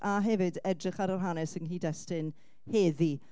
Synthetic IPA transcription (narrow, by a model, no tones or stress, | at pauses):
ʔaɦɛvɪdɛdrɪχaɾarɦanɛsənɦiːdɛstɪn | heːði